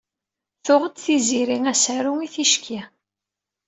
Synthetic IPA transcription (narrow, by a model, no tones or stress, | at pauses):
θʊʁəd̪θiziɾiŋæsæɾʊŋiθiʃkʰi